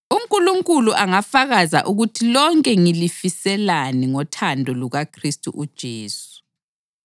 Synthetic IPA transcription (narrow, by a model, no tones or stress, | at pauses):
uŋkʼuluŋkʼuluʔaŋafaɣaza̰ʔuɣutʰilɔŋkʼɛŋilifisɛlaniŋɔtʰandʱɔluɣakʰristʼṵʔud̥ʒ̥ʱeːsu̥